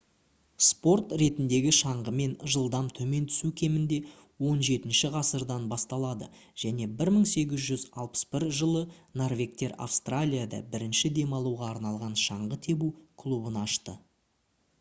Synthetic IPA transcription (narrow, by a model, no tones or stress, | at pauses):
spo̞rt̪ɾe̞t̪ɪnd̪e̞ɡʲɪʃɑɴʁəme̞nʒəlˠd̪ɑmt̪ʰɵme̞nt̪ʰʏ̥sukʲʰe̞mɪnd̪e̞ | wo̞nʒe̞t̪ɪnʃɪʁɑsəɾd̪ɑnbɑst̪ɑlˠɑd̪ə | ʒ̥æne̞bɪɾməɴse̞ɡʲɪzʒʏzɑ̰lˠpə̥sbɪɾʒəlˠənorvʲe̞k̚t̪e̞ɾa̰fst̪ralʲijad̪ɑ̰bɪɾɪnʃɪd̪e̞mɑlˠuʁɑːɾnɑlˠʁɑnʃɑɴʁət̪ʰe̞bukʰlˠubənɑʃt̪ə